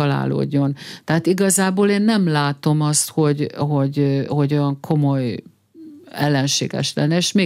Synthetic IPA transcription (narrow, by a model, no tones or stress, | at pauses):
ɒla̰ːlo̰ːɟːo̞nt̪ɛɦat̪iɡɒzaːboːleːnːɛmlaːt̪o̞mɒst̪ho̞ɟɦo̞ɟho̞ɟojɒŋkʰo̞mo̞j | ɛlːɛnʃḛːɡɛ̰ʃlɛ̰nːɛeːʃmeː